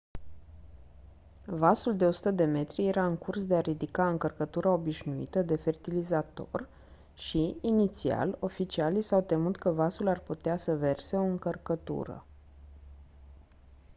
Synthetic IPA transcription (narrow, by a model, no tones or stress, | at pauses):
vasuld̪e̞o̞su̥t̪əd̪e̞me̞t̪ɾije̞ɾaɨŋkursd̪e̞aɾid̪ikaɨŋkərkət̪uɾao̞biʃnuḭt̪əd̪e̞fe̞rt̪ilizat̪o̞̰r | ʃiinit̪sia̰lo̞fit͡ʃialisawt̪e̞mut̪kəvasularput̪easəve̞rse̞o̞ɨŋkərkət̪ṵɾə̰